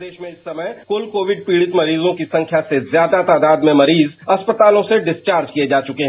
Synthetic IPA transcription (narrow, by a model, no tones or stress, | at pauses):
d̪eːʃmẽɪsːɐməjkʊlkoːʋɪɖ̚piːɽɪt̪mɐɾiːzõkisɐ̃ŋkʰjasezjaːd̪at̪aːd̪aːd̪mẽmɐɾiːzɐspət̪aːlõseɖɪst͡ʃaːɾd͡ʒkied͡ʒaːt͡ʃʊkeɦɛ̃